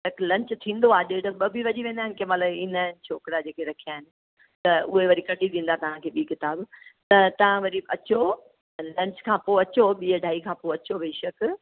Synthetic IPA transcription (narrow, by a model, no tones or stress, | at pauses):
ɐklɐ̃ɲt͡ɕʊt̪ʰĩːnd̪oaːɗeʈɐɓɐbʱiʋɐʄiʋẽːnd̪aːɦɪnɪkʰemɐt̪ləbɪn̤aɦɪnɪ̆t͡ɕʰoːkɪɽad͡ʑeːkʰeɾɐkʰijaːɦɪnɪ̆ | t̪ɐʊɦeʋɐɾikɐʈʰit̪ʰĩːn̆d̪at̪ɐʋ̤ãkʰeːɓiːkɪt̪aːbt̪ɐt̪ɐʋ̤ãʋɐɾiɐt͡ɕo | lɐ̃ɲt͡ɕkʰãːpoɐt͡ɕoɓiːəɖʱaːikʰãːpoːɐt͡ɕobeːʃɐk